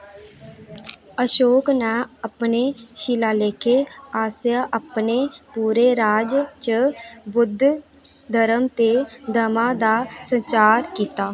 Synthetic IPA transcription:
əʃoːknɛːəpneːʃiːlaːleːkʰeːaːsjaːʔəpneːpuːɾeːɾaːd͡ʒt͡ʃəbʊd̪ʱ | d̪əɾəmt̪eːd̪əmãːd̪aːsənt͡ʃaːɾkiːt̪aː

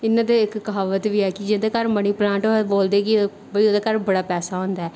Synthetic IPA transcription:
ɪnːãːd̪eːɪkkɦaːʋət̪ʋiːɛːkɪd͡ʒɪ̃d̪eːkəɾməɽ̃iːplãːɳʈoboːld̪eːkɪ | bəiːoːd̪eːkəɾbəɽaːpɛːsaːɦõːnd̪aɛː

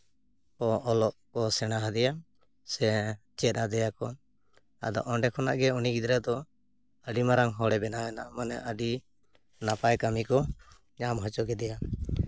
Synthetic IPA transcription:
ɔɔlɔʔkɔsɛnaɦad̪ɛja | sɛ | t͡ʃɛt̪̚ˀnad̪ɛjakɔn | a̰d̪ɔ̰ʔɔɳɖɛkʰɔna̰ʔɡɛuniɡid̪ɾad̪ɔ | əɖimaɾaŋɦɔɽɛbɛnaɛnamanɛʔəɖi | napajkamikɔ | ɲamɦɔt͡ʃɔɡɛd̪ɛja

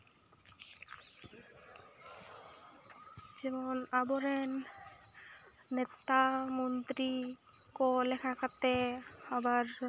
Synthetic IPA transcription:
d͡ʑemonaboɾen | et̪amont̪ɾi | kolekʰakat̪ehabaɾ

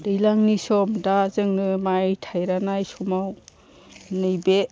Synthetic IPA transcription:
dɯjlaŋnisɔmdazɯŋnɯmajtʰajɾanajsɔmaw | nɯjbe

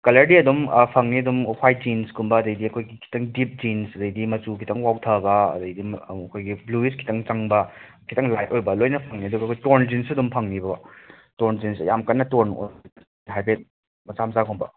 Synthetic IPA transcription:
kɐlɐɾdiɐdumpʰɐŋniɐdumhwaj̚d͡ʒinskʰumbɐːdɐjdiɐkʰojɡikʰi̥tɐŋdip̚d͡ʒinsɐdɐjdimɐt͡ʃukʰi̥tɐŋwawtʰɐbɐ̰ːdɐjdimɐkʰojɡibluiskʰi̥tʰɐŋt͡ʃaŋbɐ | kʰi̥tɐŋlajt̚ojbɐlojnɐpʰɐŋniɐduɡɐkʰojtoɾnd͡ʒinsɐdumpʰɐŋnibɐbɐ | toɾnd͡ʒinsjamkɐnːɐtoɾno̰ | ajbet̚ | mɐsamzakʰumbɐ

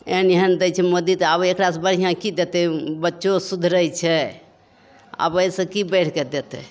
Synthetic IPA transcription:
ḛɦənjeɦənd̪əjt͡ʃʰɛmod̪it̪abekɾasbəɽ̤ijãkid̪et̪ɛbətːʃosud̪ʱɾəjt͡ʃʰɛ | a̰bəisə̃kibɛʈʰkɛd̪et̪ɛ̰

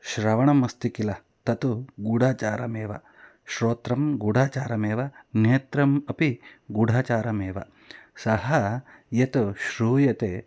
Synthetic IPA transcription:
ʃɾɐʋɐɳɐmɐst̪ikilɐ | t̪ɐt̪uɡuɽʱaːt͡ʃaːɾɐmeːʋɐ | ʃɾoːt̪ɾɐmɡuɽ̤ʱaːt͡ʃaːɾɐmeːʋɐneːt̪ɾɐmɐpiɡuɽʱaːt͡ʃaːɾɐmeːʋɐ | sɐhɐ | jɐt̪uʃɾuːjɐt̪e

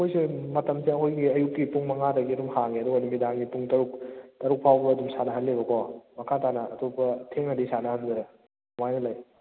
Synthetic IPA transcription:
ɐkʰojsimɐtɐmsiɐkʰojɡiɐjukkːipuŋmɐŋadɐɡidumhaŋeɐduɡɐnimidaŋɡipuŋtɐɾuk̚tɐɾuk̚pʰawbɐːdumsanɐɦɐlːebɐkʰɔmɐkʰatanɐːtʰopɐtʰeŋnɐdisanɐhanzɐɾe | umajnɐlaj

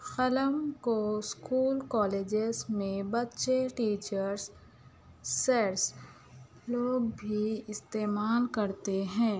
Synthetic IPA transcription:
xɐləmkoskuːlkɔːleːd͡ʒɪzmẽbɐtːʃeʈiːt͡ʃəɾsː | eɾs | loːɡbʱiɪst̪eːmaːlkɐɾt̪eɦɛ̃ː

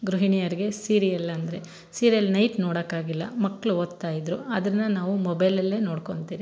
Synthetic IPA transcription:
ɡɾuɦiɳijɐɾiɡe̞siːɾijɐlɐnd̪ɾe̞ | siːɾijɐlnɐjʈnoːɽɐkːaːɡilːɐmɐkːɭuoːd̪t̪ːaːjid̪ɾuɐd̪ɐnːɐnaːʋumɔbɐjlɐlːe̞ːnoːɽko̞ɳt̪iːɾi

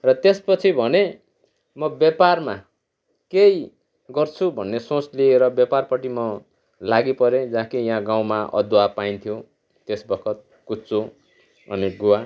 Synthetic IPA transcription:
rʌt̪espʌt͡sʰibʱʌne | mʌbjaparma | kej | ɡʌrt͡sʰubʱʌnːesõt͡slieɾʌbjaparpʌʈimʌ | laɡipʌɾed͡zãkijãɡaw̃maʔʌ̰d̪wapajnt̪ʰijo | t̪esbʌkʰʌt̪̚ | kut͡so | ʌ̰niɡuwa

